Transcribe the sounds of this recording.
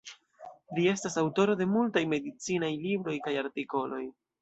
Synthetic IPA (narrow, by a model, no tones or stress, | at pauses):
lie̞stasawto̞ɾo̞de̞multajme̞dit͡sinajlibɾo̞jkajaɾtiko̞lo̞j